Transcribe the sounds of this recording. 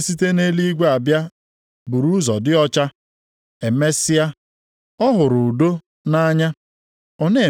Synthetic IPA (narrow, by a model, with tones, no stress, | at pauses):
si˦te˦ne˦li˦ɡʷe˦a˨bja˦ | bu˨ɾu˦zɔ˨dɪ˦ɔ˦t͡ʃa˦ | e˨me˦sɪ˦a˦ | ɔ˦ɦʊ˨ɾʊ˨do˦ | na˦ɲa˦ | ɔ˦ne˦˨